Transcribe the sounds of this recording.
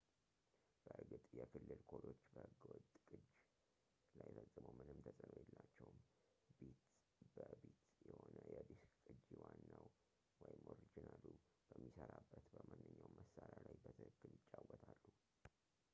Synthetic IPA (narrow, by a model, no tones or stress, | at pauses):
b̥əʔɨɾɡɨt̪ʼjɛkʰɨlːɨlkʰolo̞t͡ʃːbəɡwɔt̪ʼkʼɨd͡ʒ | lajfəzʼːɨməwmɨnɨmt̪ʰəsʼənojɛlːat͡ʃːɛwm | bet̪ | bəbet̪jɛhonəjɛbeskkʼɨd͡ʒiwanːaw | wɔjɪmʔoɾid͡ʒɪnalːu | b̥əmːisəɾabːət̪bəmanːɨɲːawməsːaɾalajbət̪ʰɨɨkːɨlɪt͡ʃʼːawɔt̪ʰalːu